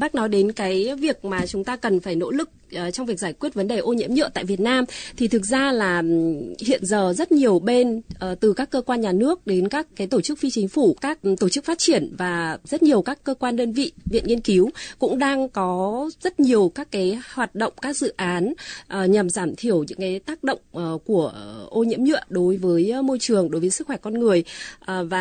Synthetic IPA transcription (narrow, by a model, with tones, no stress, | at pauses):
ɓaː˦˥k̚nɔ˨˦jɗe˨˦nkaː˨˦jvi˨˩ək̚maː˨˩t͡ɕʊ˨˦ŋ͡mt̪aː˧kə˨˩nfaː˧˩jno̰˧˥lɨ˨˩k̚ʔt͡ɕɔ˧wŋ͡mvi˨˩ək̚zaː˧˩jkwi˦˥ət̚və˨˦nɗe˨˩ʔo˧ɲḭ˧˥əmɲɨ̰˧˨t̪a̰ː˧˨jvi˨˩ət̚naː˧mt̪ʰi˨˩ɨ˨˩k̚zaː˧laː˨˩hḭ˧˨ənzəː˨˩zə˦˥t̚ɲi˨˩əwɓe˧nʔəː˨˩t̪ɨ˨˩kaː˦˥kːəː˧kwaː˧nɲaː˨˩nɨ˦˥ək̚ɗe˨˦nkaː˦˥kːaː˨˦jt̪o˧˩t͡ɕɨ˦˥k̚fi˧t͡ɕï˨˦ŋ̟fu˧˩kaː˦˥k̚t̪o˧˩t͡ɕɨ˦˥k̚faː˦˥t̚t͡ɕi˧˩ənvaː˨˩zt̚ɲi˨˩əwkaː˦˥kːəː˧kwaː˧nɗəː˧nvḭ˧˨vḭ˧˨nŋi˧ənki˨˦wkʊ̰˧˥ŋ͡mɗaː˧ŋkɔ˨˦zə˦˥t̚ɲi˨˩əwkaː˦˥kːaː˨˦jhwaː˨˩t̚ɗə̰˧˨ŋ͡mkaː˦˥k̚zɨ̰˧˨ʔaː˨˦nʔɲa˨˩mzaː˧˩mt̪ʰi˧˩əwɲɨ̰˧˥ŋkaː˨˦jt̪aː˦˥k̚ɗə̰˧˨wŋ͡mʔːku˧˩əʔo˧ɲḭ˧˥əmɲɨ̰˧˨əɗo˨˦jvəː˨˦jmo˧jt͡ɕɨ˨˩əŋɗo˨˦jvəː˨˦jsɨ˦˥k̚xwɛ˧˩kɔ˧nŋɨ˨˩əjʔvaː˨˩